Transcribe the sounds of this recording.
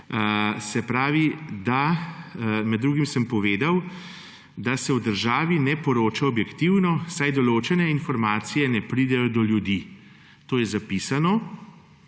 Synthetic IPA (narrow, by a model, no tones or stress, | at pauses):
sɛpɾaːʋid̪a | mɛd̪ːɾuːɡimsəmpɔʋeːd̪aw | d̪asɛwd̪əɾʒaːʋinɛpɔɾoːt͡ʃaɔbjɛkt̪iwnɔsajd̪ɔloːt͡ʃɛnɛinfɔɾmaːt̪sijɛnɛpɾid̪ɛjɔd̪ɔljud̪i | t̪oːjɛzapiːsanɔ